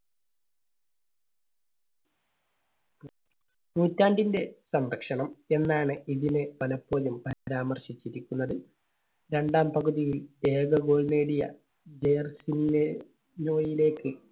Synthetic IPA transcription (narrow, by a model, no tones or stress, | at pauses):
nuːtːaːɳɖinde̞sɐmrɐkʂɐɳɐme̞nːaːɳɨʔiðinɨpɐlɐpːo̞ːjumpɐɾaːmɐrɕit͡ɕːiɾikʲːunːɐðɨ | ɾe̞ɳɖaːmpɐɣuðijile̞ːɡɐɡo̞ːɭne̞ːɽijɐ̰ | d͡ʑejrsine | no̞ːjile̞ːkːɨ